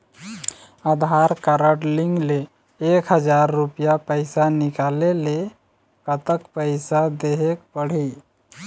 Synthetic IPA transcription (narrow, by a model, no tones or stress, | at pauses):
ad̪ʱɦaɾkaɾəʈliŋɡleː | kɦəd͡ʒaɾːupijapəɪsanikalele | kət̪əkpəɪsad̪eɦekpəɽ̤i